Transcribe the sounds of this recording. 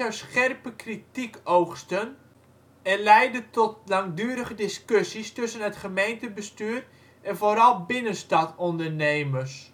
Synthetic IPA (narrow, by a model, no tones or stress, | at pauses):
aɥsχɛrpəkritikowxstən | ɛnlɛjdətɔt̚laŋdyːəɾəχədɪskøsistɵsənɦətχəmejntəbəstyːr | ʔɛnvoɾɑlˠbɪnənstɑtɔndərnejmərs